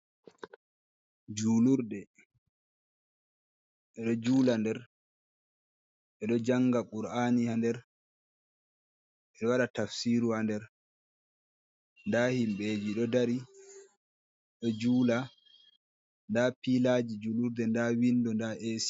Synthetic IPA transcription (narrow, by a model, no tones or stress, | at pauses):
d͡ʒuluɾdɛ | ɛɗɔd͡ʒuːlandɛɾ | ʔɛɗɔd͡ʒaŋɡaɓuɾaːnihandɛɾ | ʔɛɗɔwaɗatafsiɾuandɛɾ | ndahimɓed͡ʒiɗɔdaɾi | ɗɔd͡ʒuːla | ndapiːlad͡ʒid͡ʒuluɾdɛndawindɔndaʔeːsi̥